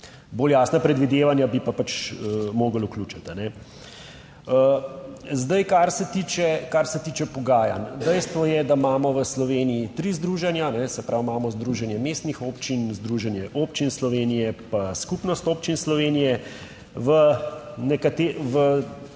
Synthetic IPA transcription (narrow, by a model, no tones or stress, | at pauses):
boːljaːsnapɾɛd̪ʋid̪eːʋanjabipapat͡ʃəmoːɡəlukluːt͡ʃat̪anɛ | ə | zd̪ajkaɾsɛt̪iːt͡ʃɛkaɾsɛt̪iːt͡ʃɛpɔɡaːja̰nd̪ɛjst̪ʋɔjɛd̪amaːmɔʋəslɔʋeːnijit̪ɾiːzd̪ɾuːʒɛnjanɛsɛpɾʔawmaːmɔzd̪ɾuːʒɛnjɛmeːst̪nixoːpt͡ʃinzd̪ɾuːʒɛnjɛʔoːpt͡ʃinslɔʋenijɛpaskupnɔst̪oːpt͡ʃinslɔʋeːnijɛ | ʋənɛkat̪eːʋə